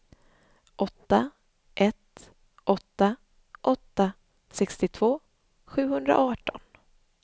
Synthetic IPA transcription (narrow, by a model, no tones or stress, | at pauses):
ʔɔt̪ːa | ʔɛt̪ | ʔɔt̪ːa | ʔɔt̪ːa | sɛkst̪ɪt̪ʰv̥oː | ɧʉ̟ːhɵnd̪ɾa̰ʔɑːʈɔ̰n